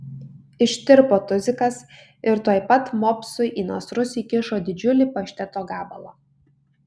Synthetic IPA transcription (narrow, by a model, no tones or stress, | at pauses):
ɪʃʲt̪ʲɪɾpoːt̪ʊzʲɪkɐs | ɪɾt̪uɔɪpɐt̪mɔːpʲsʊɪʔiːnoɔsɾʊsʲiːkʲɪʃoːd̪ʲɪd͡ʒʲʊlʲipɐʃʲt̪ʲɛt̪oːɡɑːbɐlˠɐː